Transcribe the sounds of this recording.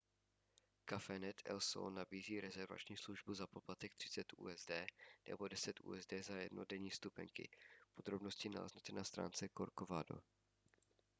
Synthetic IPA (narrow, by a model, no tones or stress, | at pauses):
kafɛnɛt̪ʰɛ̰lso̰nabiːziːɾɛzɛɾva̰t͡ʃɲiːsluʒbuzapo̞plat̪ɛk̚t̪r̝̥ɪ̥t͡sɛt̪ṵːɛzdɛːnɛ̰bo̞dɛsɛt̪ʔṵːɛzdɛːzajɛ̰dnodɛɲiːst̪upɛ̰ŋkɪ̰pod̪ɾo̞bnoscɪna̰lɛ̰znut͡s̪ɛnast̪ɾa̰ːnt͡sɛkoɾkovado̰